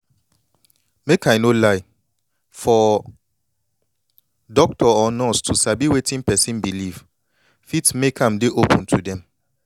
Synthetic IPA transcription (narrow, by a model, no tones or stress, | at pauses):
mekʰaɪnolaɪ | fɔ | dɔk̚tʰɔɔnɔstʰusabiwetĩnpɛsĩnbiliv | fitmekʰãmdeʔopʰə̃ntʰudɛ̃m